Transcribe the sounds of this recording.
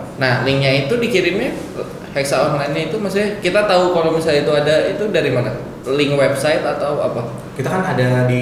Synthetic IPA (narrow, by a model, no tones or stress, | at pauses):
nahlɪŋɲait̪udikiɾɪmɲa | hɛksaɔɾŋlainɲait̪umasɪkit̪at̪aukalawmisalit̪uadait̪udaɾimana | lɪŋwɛpsaɪt̪at̪awa̰pa | kit̪akanadadi